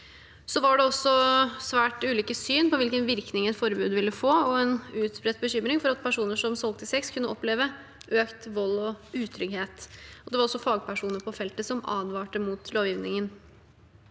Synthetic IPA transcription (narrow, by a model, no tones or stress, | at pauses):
sɔʋɑɖɛɔsːɔsʋæːʈʉːliːkəsyːnpɔʋɪlkənʋɪɾknɪŋɛt̪fɔɾbʉːd̪ʋɪlːəfoːɔɛnʉːt̪spɾɛt̪̚ːbəçʏmːɾɪŋfɔɾɑt̪̚pʰæʂuːnəʂɔmsɔlt̪ɪsɛkskʰʉnːəɔpleːʋə | ʔøːkt̪ʋɔlːɔʉːt̪ʰɾʏɡheːt̪ɔd̪ɛʋɑɾɔsːɔfɑːɡ̚pʰæʂuːnəpʰɔfɛlt̪əsɔmɑ̰ːd̪ʋɑːʈəmut̪ʰloːʋjɪːʋnɪŋən